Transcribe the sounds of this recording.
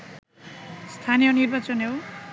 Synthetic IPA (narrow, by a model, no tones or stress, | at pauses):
st̪ʰanijʌnirbat͡sʌnɦo